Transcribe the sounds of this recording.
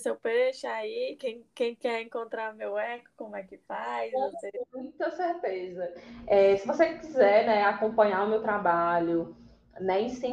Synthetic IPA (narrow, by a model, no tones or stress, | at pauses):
sewpeʃaikẽj̃kẽj̃kɛɾẽŋkõnt̪ɾaɾʊmewɛkʊ̥kõmʊɛkɪpajẽseɾimũj̃t̪ɐseɾt̪ezɐɛsɪvosekizɛɾnɛakõpɐ̃ɲaʊmewt̪ɾabaʎʊ | nɛĩsẽ